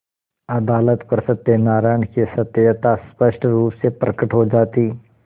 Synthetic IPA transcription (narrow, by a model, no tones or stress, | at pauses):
ɐd̪aːlət̪pəɾsət̪enaːɾaːjɳkesɐt̪ːəjət̪aspəʃʈʰɾuːpsepɾəkəʈɦod͡ʒaːt̪iː